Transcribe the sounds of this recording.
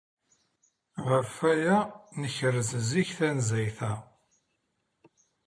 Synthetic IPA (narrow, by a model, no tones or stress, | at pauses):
ʁəfæjænəçɾəzziçθænzæjθæ